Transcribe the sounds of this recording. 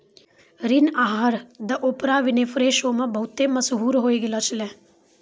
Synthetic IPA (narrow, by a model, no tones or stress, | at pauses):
ɾɪnaːɦəɾd̪ɐʔoːpɾaːʋɪneːfɾeːʃoːmɐ̃bɐɦʊt̪ːemɐsɦuːɾɦoːiɡɪlət͡ʃʰəlɛ̃ː